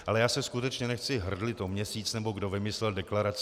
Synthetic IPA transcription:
ʔalɛjaːsɛskut̪ɛt͡ʃɲɛnɛxt͡sɪɦr̩dlɪt̪omɲɛsiːt͡snɛbo̞ɡdo̞vɪmɪslɛldɛklaɾat͡s

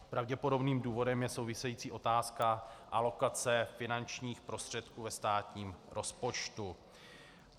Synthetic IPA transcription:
pɾavɟɛpo̞do̞bniːmduːvo̞dɛmjɛso̞wvɪsɛjiːt͡siːʔo̞t̪aːskaʔalo̞kat͡sɛfɪnant͡ʃɲiːxpɾo̞st̪r̝̥ɛt̪kuːvɛst̪aːt̪ɲiːmɾʔo̞spo̞t͡ʃt̪u

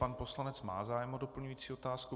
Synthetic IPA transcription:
panpo̞slanɛt͡sma̰ːzaːjɛmodo̞pl̩ɲujiːt͡siːo̞t̪aːsku

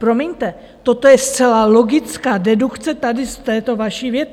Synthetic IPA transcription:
pɾo̞miɲt̪ɛ | t̪o̞t̪o̞jɛst̪t͡sɛlalo̞ɡɪt͡skaːdɛdukt͡sɛt̪adɪst̪ɛːt̪o̞vaʃivjɛt̪

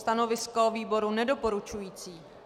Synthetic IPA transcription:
t̪ano̞vɪskoviːbo̞ɾunɛdo̞po̞ɾut͡ʃujiːt͡siː

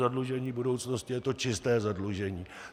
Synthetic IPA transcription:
adluʒɛɲiːbudo̞wt͡sno̞scɪjɛt̪o̞t͡ʃɪst̪ɛːzadluʒɛɲiː

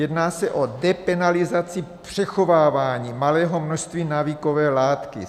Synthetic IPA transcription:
jɛdnaːsɛʔodɛpɛnalɪzat͡sɪpr̝̥ɛxo̞vaːvaːɲiːmalɛːɦo̞mnoʃst̪viːnaviːko̞vɛːlaːt̪kɪ̰

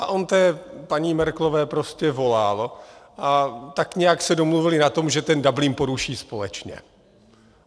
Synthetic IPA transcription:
ʔaʔont̪ɛːpaɲiːmɛɾklovɛːpɾo̞scɛvo̞laːlo̞ʔat̪akɲɛjaksɛdo̞mluvɪlɪnat̪o̞mʒɛt̪ɛndabliːnpo̞ɾuʃiːspo̞lɛt͡ʃɲɛ̰

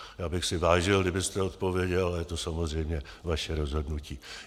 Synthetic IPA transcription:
jaːbɪxsɪvaːʒɪldɪbɪst̪ɛot̪po̞vjɛɟɛlajɛt̪osamozr̝ɛjmɲɛ | vaʃɛɾo̞zɦo̞dnuciː

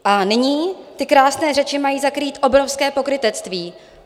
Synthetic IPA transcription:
ʔanɪɲiːt̪ɪkɾaːsnɛːrɛt͡ʃɪmajiːzakɾiːt̪ʔo̞bɾo̞fskɛːpo̞kɾɪt̪ɛt͡st̪viː

